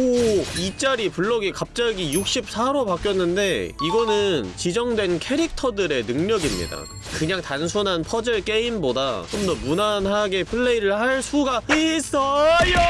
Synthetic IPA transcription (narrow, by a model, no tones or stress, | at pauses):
oit͡ɕ͈aɾipuɭːʌɡikap̚t͡ɕ͈aɡijuk̚ɕ͈ip̚sʰaɾopak͈jʌnːɯnde̞iɡʌnɯnt͡ɕid͡ʑʌŋdwe̞nkʰe̞ɾik̚tʰʌdɯɾe̞nɯŋɲʌɡimɲḭda̰ | kɯɲaŋtansʰunɦanpʰʌd͡ʑɯɭk͈e̞imboda̰t͡ɕomdʌmunanɦaɡe̞pʰɯɭːe̞iɾɯɭhaɭsʰuɡais͈ʌjo